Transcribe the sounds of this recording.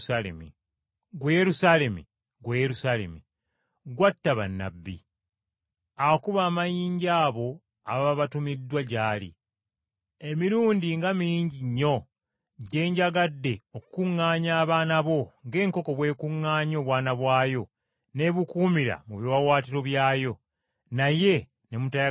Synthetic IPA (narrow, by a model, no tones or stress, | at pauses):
alḛmi | ɡweje̞ɾusale̞mḭ | ɡweje̞ɾusaːle̞̰mi | ɡwatːaβa̰nːa̰bːḭ | awokuβaːmajiːɲɟaːβo̞ | aβaβaβatumidːwaɟaːlḭ | emiɾuːndiŋɡamiɲɟiɲːo̞ | ɟe̞ːɲɟaɡadːe̞okukuŋːaːɲaːβaːnaβo̞ŋɡe̞ːŋko̞ko̞βwe̞ːkuŋːaːɲo̞ːβwaːnaβwaːjo̞ | ne̞βukuːmiɾa̰muβjiwawaːtiɾo̞βjaːjo̞ | naje̞ | ne̞muta